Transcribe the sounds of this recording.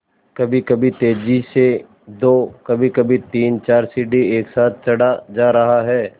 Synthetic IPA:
kɐbʱikɐbʱit̪eːd͡ʒise | d̪oːkɐbʱikɐbʱit̪iːnt͡ʃaːɾsiːɖieːksaːt̪̚ʰt͡ʃɐɽad͡ʒaːɾɐɦaɦɛː

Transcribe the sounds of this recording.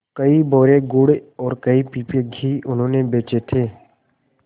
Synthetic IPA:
kɐibɔːɾeɡʊɽeɔːɾkɐipiːpeɡʱiːʊnɦõːnebeːt͡ʃet̪ʰeː

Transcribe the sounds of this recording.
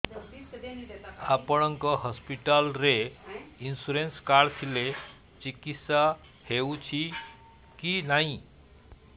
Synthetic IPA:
apɔɽ̃ʌŋkɔɦɔspiʈalɾeinsuɾenskaɽtʰile | t͡ʃikit̪sa | hewt͡ʃʰi | kinaĩ

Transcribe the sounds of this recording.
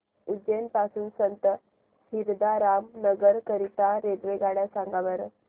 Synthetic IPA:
ud͡ʑenpasuːnsənt̪ə | hiɾd̪aɾamnəɡəɾkəɾit̪aɾed̪ʋeɡaɽjasãŋɡaʋəɾ

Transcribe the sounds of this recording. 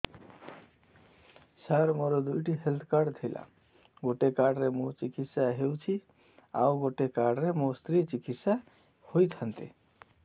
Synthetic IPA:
saɾmoɾɔd̪ujʈiɦelt̪ʰkaɽt̪ʰəjla̰ | ɡoʈekaɖɾemot͡ʃikit̪saɦewt͡ʃʰi | a̰wɡoʈekaɖɾemost̪ɾit͡ʃikit̪sa | hojt̪ʰənt̪ḛ

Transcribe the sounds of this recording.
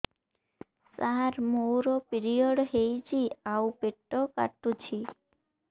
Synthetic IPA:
saɾmowɾopiɾijɔɽɦejd͡ʒiawpeʈːɔka̰ʈut͡ʃʰi

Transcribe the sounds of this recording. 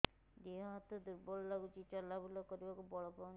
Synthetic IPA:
d̪iɔɦɔt̪ɔd̪uɾbɔɭːaɡut͡ʃit͡ʃɔlːabulɔkɔɾibakubɔɭɔpɔ

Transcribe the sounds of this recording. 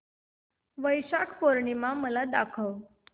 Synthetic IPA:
ʋəjɕakʰpoɾɳimaməlad̪akʰəʋ

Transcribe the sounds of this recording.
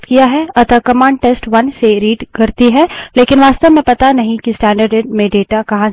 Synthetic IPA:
t̪kijaɦɛɐt̪əɾkɐmãːɳɖ̚ʈeːsʈʋɐnseɾiːɖkɐɾt̪iɦɛleːkɪnʋaːst̪əʋmɛ̃pɐt̪anɐɦĩkisʈɛ̃ːɳɖəɾɖɖmẽɖeːʈakɐɦã

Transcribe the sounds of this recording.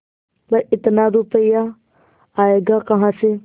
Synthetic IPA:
bɐɪt̪naɾupəjaː | eːɡakɐɦãːse

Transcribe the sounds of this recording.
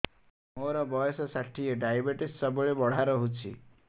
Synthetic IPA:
moɾɔbɔjɔsɔsaʈʰijeɖajabeʈissɔbɔɭebɔɽ̤aɾɔɦut͡ʃʰḭ

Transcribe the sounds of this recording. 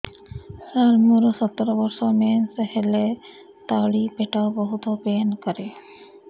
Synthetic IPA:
saɾmuɾɔsɔt̪ːɔɾɔbɔɾsɔmɛnsehele | t̪aɭipeʈaobɔɦut̪ɔpenkɔɾe

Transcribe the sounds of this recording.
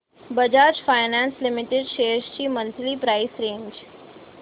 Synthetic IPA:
bəd͡ʒaːt͡ʃfaɪnãːnslɪmɪʈeɖʃeːʃt͡ɕiːmənt̪lipɾaːɪsɾẽːɲd͡ʒ

